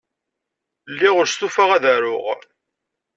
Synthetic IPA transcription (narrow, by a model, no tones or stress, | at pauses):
lːiʁʊɾst̪ufaʁæðæɾʊʁ